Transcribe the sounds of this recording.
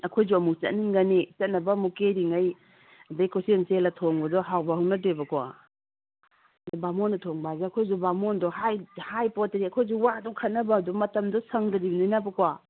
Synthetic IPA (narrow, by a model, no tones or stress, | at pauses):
ɐkʰojzuɐmuk̚t͡ʃɐ̰niŋɡanet͡ʃɐt̚nɐbɐmukeɾiŋaj | bejkʰosieŋselɐtʰɔŋbɐdɔɦawbaɦuwnɐdebɐkɔwa̰ | bamɔnɐtʰɔŋbazeɐkʰojzubamɔndɔhajhajpɔtɾiɐkʰojzuwadɔkʰɐnɐbadɔmɐtɐmdɔsɐŋdɐɾibnajnabɐkɔa